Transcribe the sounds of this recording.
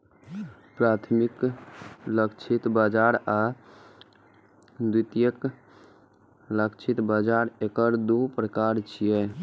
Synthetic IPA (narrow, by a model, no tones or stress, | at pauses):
pɾat̪ʰmik | ləkt͡ʃʰit̪bad͡ʒaɾa | d̪it̪ijək | ləkt͡ʃʰit̪bad͡ʒaɾekəɾd̪upɾəkaɾt͡ʃʰijɛ